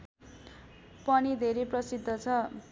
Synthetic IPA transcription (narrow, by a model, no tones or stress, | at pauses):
pʌnid̪ʱeɾeprʌsid̪ʱːʌt͡sʰʌ